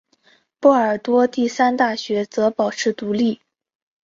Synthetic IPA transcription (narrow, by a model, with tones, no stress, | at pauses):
pɔ˥˩ə˞˨˩t̪wɔ˥t̪i˥˩sa˥nt̪a˥˩ɕɥɛ˧˥t͡sɤ˧˥pɑ˨˩ʊʈ͡ʂʰɻ̩˥˩t̪u˧˥li˥˩